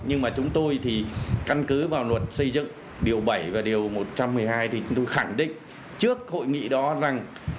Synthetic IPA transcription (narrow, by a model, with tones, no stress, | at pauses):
ɲɨ˧ŋmaː˨˩t͡ɕʊ˨˦ŋ͡mt̪o˧jt̪ʰi˨˩ka˧nkɨ˨˦vaː˨˩wnwə˨˩t̚sə˧jzɨ̰˧˨ŋ | ɗi˨˩əwɓə˧˩jvaː˨˩ɗi˨˩əwmo˨˩t̚t͡ɕa˧mːɨ˨˩əjɦaː˧jt̪ʰi˨˩t͡ɕʊ˨˦ŋ͡mt̪o˧jxa˧˩ŋɗḭ̈˧˨ŋ̟ | t͡ɕɨ˦˥ək̚ho̰˧˨jŋḭ˧˨ɗɔ˨˦za˨˩ŋ